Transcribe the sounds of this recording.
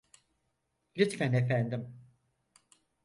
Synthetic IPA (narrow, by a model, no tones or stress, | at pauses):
lʲit̪fænefænd̪im